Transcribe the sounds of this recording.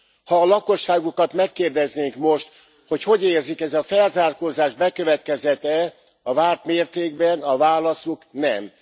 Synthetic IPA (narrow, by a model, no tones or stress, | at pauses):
hɒːlɒko̞ʃːaːɡukɒt̪mɛkːeːrd̪ɛzneːŋkmo̞ʃt̪ | ho̞cho̞ɟeːrzikɛzɒfɛlzaːrkoːzaːʒbɛkø̞vɛt̪kɛzɛt̪ɛ | ɒvaːrt̪meːrt̪eːɡbɛnɒvaːlɒsuknɛm